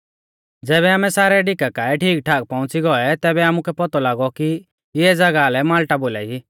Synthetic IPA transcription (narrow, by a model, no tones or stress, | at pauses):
d͡zɛːβɛaːmɛsaːɾɛɖɪkakaːɛʈʰiːk̚ʈʰaːk̚pɔ̃ʊ̃t͡siɡɔɛt̪ɛːbɛaːmukʰɛpɔt̪ɔlaːɡɔki | ɪɛd͡zɐɡaːlɛmaːlʈabola̰ːi